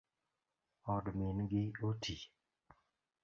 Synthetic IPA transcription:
ɔdmɪnɡɪotʰi

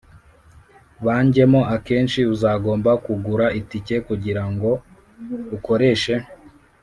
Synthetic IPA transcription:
βaːɲɟe̞moake̞ːnt͡ʃiuzaːɡo̞ːmbakuɡuɾaitice̞kuɟiɾaŋɡo̞ | uko̞ɾe̞ʃe̞

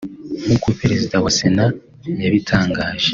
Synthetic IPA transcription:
mukuipeɾezidawasena | mjaβitʰaːŋɡaːʒ̥e

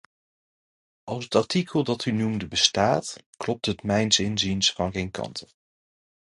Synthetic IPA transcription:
ʔɑlˠsɦətɑɹtikʰəlˠdɑtʰynumdəbəstaːtklɔp̚tɦətmɛjnsɪnzinsfɑnχejnkɑ̰ntʰə

